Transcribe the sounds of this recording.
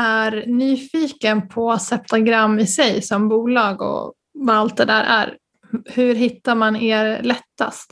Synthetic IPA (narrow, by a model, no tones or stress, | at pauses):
æɾnyːfiːkənpʰɔasɛp̚t̪aɡɾamːɪsɛjsɔmbuːlɑːɡɔ̰ | vaalt̪̚d̪ɛd̪æːɾʔæ̰ɾ | hɵɾɦɪt̪ːaɾmaneːɾlɛt̪ːa̰st̪